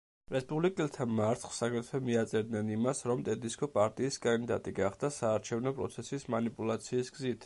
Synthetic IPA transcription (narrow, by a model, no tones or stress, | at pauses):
ɾɛspʼublikʼɛlˠt̪ʰamaɾt̪χsaɡɾɛt̪ʰfɛmiat̪sʼɛɾd̪nɛnimasɾɔmt̪ʼɛd̪iskʰʼɔpʼaɾt̪ʼiːskʼand̪id̪a̰t̪ʼiɡaχd̪asaːɾt͡ʃʰɛvnɔpʼɾɔ̰t̪sʰɛsismanipʼulˠat̪sʰiːsɡzit̪ʰ